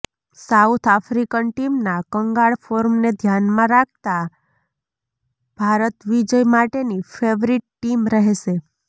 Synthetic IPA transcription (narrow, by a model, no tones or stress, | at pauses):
sawt̪ʰafɾikənʈimnakəŋɡaɭfoɾmned̪ʱjanmãɾak̚ʰt̪a | b̥ʱaɾət̪ʋid͡ʒəjmaʈenifʰeʋɾiʈ̚ʈimɾəɦeʃe